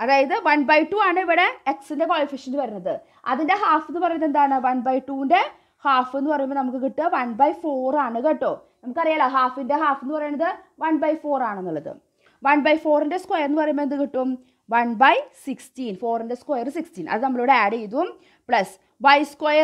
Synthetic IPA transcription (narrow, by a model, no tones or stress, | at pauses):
ɐðaːjɐðɨʋɐnbɐjʈuːaːɳɨiʋiɽe̞eksinde̞koːlifiʂɐnpɐɾunːɐðɨ | ɐ̰ðinde̞ɦaːfenːɨpɐrɐjumːend̪aːɳɨʋɐnbɐjʈːuːinde̞ | haːfenːɨpɐrɐjumbonɐmuk̬ːɨkiʈːɨʋɐnbɐjfo̞ːraːɳɨkeʈːoːnɐmukːɐrijaːɭːaɦaːfinde̞ɦaːfenːɨpɐrɐjɐɳɐðɨʋɐnbɐjfo̞ːraːɳɨenːɐɭːɐðɨ̰ | ʋɐnbɐjfo̞ːrinde̞skwojɐrnːɨpɐrɐjumːoend̪ɨkiʈːum | ʋɐnbɐjsikstiːnfo̞ːrinde̞skojɐrsikstinʔɐ̰ðɨnɐmːɐɭiʋɽeaːɽejiðuum | pɭɐs | ʋɐjskojɐ